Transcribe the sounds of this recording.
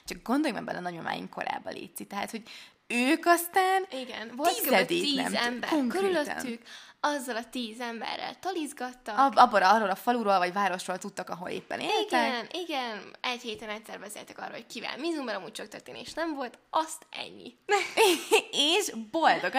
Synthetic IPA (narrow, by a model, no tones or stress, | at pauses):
t͡ʃɒk̚ɡo̞nd̪o̞jmɛ̰ɡ̚bɛ̰nʔɛnɒɲoma̰ːjḭŋko̞ɾa̰ːbɒ̰lḛːt̪sit̪ɛɦaːt̪ho̞ɟ | øːkɒst̪aːniɡɛnvolɛd̪iiːɛ̰mɛmbɛ̰roŋkøɾyløt̪t̪nːykɒzːɒlɒt̪iːzɛmbɛ̰rːɛ̰lt̪ɒlizɡɒt̪ːɒkbɒboɾɒroːlɒfɒluɾolvɒɟvaːɾo̞ʃrolt̪ut̪ːɒkɒɦo̞̰lḛːpːɛ̰nḛːlit̪ɛnʔiɡɛnɛcheːt̪ɛnɛt̪sɛrbɛzḛːlt̪ɛkɒ̰rːo̰lhoc̚kiva̰ːlmizumbɛnɒmuːc̚t͡ʃɒk̚t̪ørt̪eːneːʃnɛɱvo̞lt̪ɒst̪ɛ̰ɲːḭ | eːʒbo̞ld̪o̞ɡ